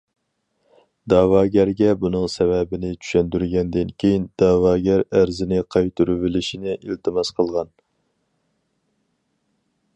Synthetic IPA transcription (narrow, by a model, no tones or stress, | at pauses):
d̪ɑːwɑːɡʲæɾɡʲɛbunɨŋsɛvɛbɪnɪt͡ʃʰy̥ʃɛnd̪yɾɡʲɛnd̪ɪnkʲʰejind̪̥ɑːwɑːɡʲæɾæɾzɪnɪqʰɑjt̪ʰuɾyvɪlɪʃinɪʔilt̪ʰɨmɑsqʰəlˠʁɑn